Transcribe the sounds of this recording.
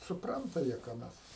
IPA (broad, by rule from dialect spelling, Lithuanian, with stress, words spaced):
sʊˈprɐntɐ ˈjiɛ kɑː ˈmʲɛs